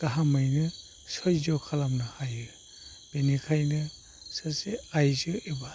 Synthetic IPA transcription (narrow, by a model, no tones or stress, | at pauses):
ɡ̥aɦamɯjnɯ | sɔjzɔkʰalamnahajɯ | b̥enikʰajnɯ | saseajzɯeba